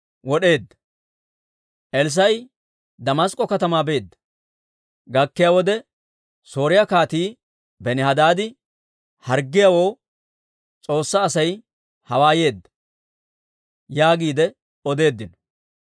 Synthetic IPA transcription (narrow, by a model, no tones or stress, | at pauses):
wɔɗe̞ːd̪ːɐ̥ | ʔɛls̬ɐj | d̪ɐmɐskʼːɔkɐt̪ɐmaːbe̞ːd̪ːɐ̥ | ɡɐkːɪjawɔd̪ɛ | so̞ːɾɪjɐkaːt̪iː | bɛnɪhɐd̪aːd̪ɪ | hɐɾɡːɪjawo̞ː | t͡sʼo̞ːsːaːsɐj | hɐwaːje̞ːd̪ːɐ̥ | jaːɡiːd̪ɛ | ɔd̪e̞ːd̪ːɪn